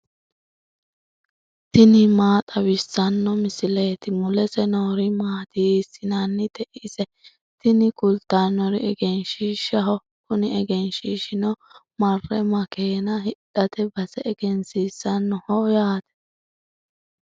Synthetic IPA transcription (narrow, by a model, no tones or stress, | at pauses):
t̪ɪnɪmaːt̪ʼɐwɪsːɐnːɔmɪsɪleːt̪ɪmʊlɛsɛnoːɾɪmaːt̪isɪnanːɪt̪ɛʔisɛ | t̪ɪnɪkʊlt̪ːanɔɾɪɛɡɛnʃiːʃɐɦɔ | kʊnɪɛɡɛnʃiːʃɪnɔ | mɐrːɛmɐkeːnɐɦɪɗɐt̪ɛbɐsɛːɡ̥ɛnsiːsːɐnːɔhɔjaːt̪ɛ̥